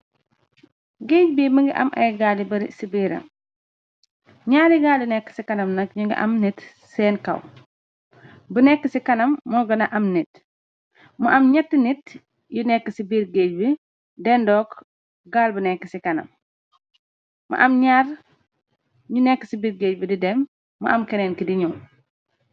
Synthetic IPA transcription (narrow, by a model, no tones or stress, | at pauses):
ɡeːɟbiməŋɡiʔɐ̰mʔɐ̰jɡalibɐɾisibiːɾɐ̰m | ɲaːɾjiɡaːljunɛkːə̥sikɐnɐmnɐk̚ɲuŋɡḭʔɐ̰mnit | sɛːnkɐ̰w | bənɛkːəsikɐnɐmːɔɡɐnɐʔɐmnit̚ | mɐʔɐmɲɛtːinit | junɛkːəsibiːɾɡeːɟbi | dɛndɔːk | ɡaːlbənɛkːəsikɐnɐ̰m | mɐ̰ʔɐmɲaːr | ɲunɛkːəsibiːɾɡeːɟbididɛmː | ɐ̰ʔɐmkɛnɛːnkidiɲu